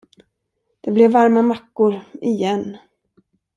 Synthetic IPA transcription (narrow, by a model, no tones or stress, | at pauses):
d̪̥ɛblɛvːaɾmamakːʊɾɪjɛnː